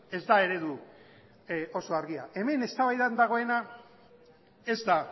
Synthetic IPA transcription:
e̞zd̪ae̞ɾe̞ðu | o̞so̞aɾɣiaʔe̞me̞ne̞st̪aβajðand̪aɣ̞o̞e̞na | e̞zd̪a

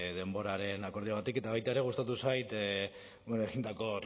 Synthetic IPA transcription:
ðe̞mbo̞ɾaɾe̞nako̞ɾðioβ̞at̪ike̞t̪aβajt̪ae̞ɾe̞ɣust̪at̪usajt̪ | bonoeɣind̪ako̞

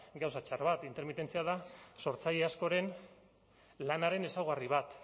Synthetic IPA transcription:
ɡawsat͡ʃaɾβat̪int̪e̞ɾmit̪e̞nt͡siað̞aso̞ɾt͡saʎe̞asko̞ɾe̞n | lanaɾe̞ne̞sawɣ̞ariβ̞at̪

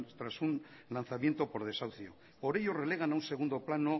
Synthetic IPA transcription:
t̪ɾasunlan̟θamje̞nt̪o̞po̞ɾð̞e̞sawθjo | po̞ɾe̞ʎo̞re̞le̞ɣ̞anaunse̞ɣund̪o̞plano

